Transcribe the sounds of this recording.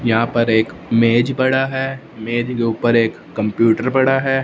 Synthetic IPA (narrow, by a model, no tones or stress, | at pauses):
jɐɦãːpɐɾeːk | meːd͡ʒbɐɽaɦɛː | meːd͡ʒkeuːpəɾeːkːɐ̃mpjuːʈəɾbɐɽaɦɛ